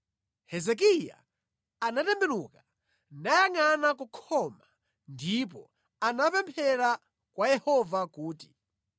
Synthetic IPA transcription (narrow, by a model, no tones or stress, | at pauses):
hɛzɛk̬ija̰ː | natɛmbɛɾuka | najaŋanakukʰɔma | ndip̬ɔ | anapɛmpʰɛɾa | kwajɛhɔvakuːti̥